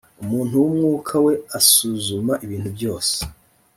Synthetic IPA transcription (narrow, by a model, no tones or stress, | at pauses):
umuːn̥uwumŋuːkʰawe̞asuzumaʔiβiːn̥tubjo̞ːse̥